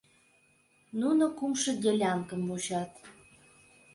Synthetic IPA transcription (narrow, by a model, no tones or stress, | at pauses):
nunokumʃə̆ɡʲelʲɑŋkəmut͡ɕɑt̪̚